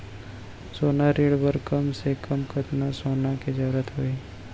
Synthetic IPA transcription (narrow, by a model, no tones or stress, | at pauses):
soːnaɾiːɽbəɾkəmsekəmkʰət̪nasoːnaked͡ʒəʋɾət̪ɦoːiː